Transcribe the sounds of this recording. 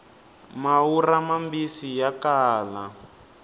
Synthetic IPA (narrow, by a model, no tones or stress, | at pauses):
mauramambisijakaːla